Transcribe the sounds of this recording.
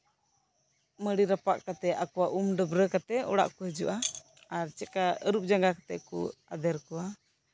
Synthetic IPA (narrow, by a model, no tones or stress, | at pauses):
məɽiɾapaʔkat̪ɛakuwaʔumɖəbɾəkat̪ɛɔ̰ɽa̰ʔkuhəd͡ʒṵʔa | aɾt͡ʃɛkaəɾup̚d͡ʒaŋɡakḁt̪ɛ̰ʔkṵad̪ɛɾkua